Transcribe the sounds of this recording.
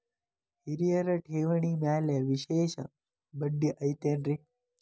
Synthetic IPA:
hiɾijəɾəʈʰeːʋɳ̃iːmaːleʋiɕeːɕə̰ | bəɖːiʔɐjt̪eːnɾi

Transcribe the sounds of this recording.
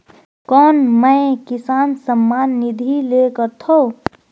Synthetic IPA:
kɔːnməkisansəmːaːnːid̪ʱilekəɾt̪ʰo

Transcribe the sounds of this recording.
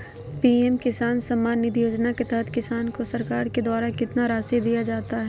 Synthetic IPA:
piːɛmkɪsaːnsɐmːaːnːɪd̪joːd͡ʒnaket̪ɛɦət̪kɪsaːnkosɐɾkaːɾked̪waːɾakɪt̪naɾaːsid̪ijad͡ʒaːt̪aɦɛ

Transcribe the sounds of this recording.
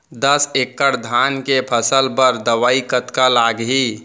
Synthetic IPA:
d̪əsekːəɾd̪ʱankepʰəsəlpəɾd̪əʋaikət̪kalaɡɦi

